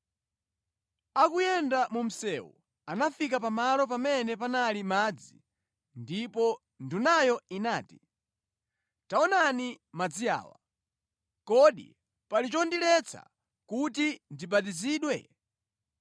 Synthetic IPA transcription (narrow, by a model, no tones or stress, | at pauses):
akujɛndamum̩sɛwṵ | anafikapamalɔp̬amɛnɛpanalimaːd͡zi | ndipɔ | ndunajɔinaːti̥ | taɔnanimad͡zia̰ːwa̰ | kɔɗḭ | palit͡ʃɔndilɛt͡sʰa̰ | kutindibat̬iziːɗwɛ